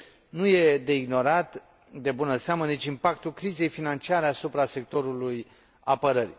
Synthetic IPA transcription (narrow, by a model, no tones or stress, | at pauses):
nuje̞d̪e̞iɡno̞ɾat̪ | d̪e̞bunənseamənit͡ʃʲimpakt̪ulkɾize̞jfinant͡ʃiaɾe̞asupɾase̞k̚t̪o̞ɾuluj | apəɾərʲ